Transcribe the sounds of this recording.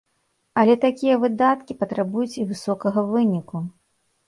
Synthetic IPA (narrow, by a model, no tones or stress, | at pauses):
ɐlʲɛt̪akʲijɐvɨd̪at̪kʲipɐt̪ɾabujut͡sʲivɨsɔkɐɣɐvɨnʲiku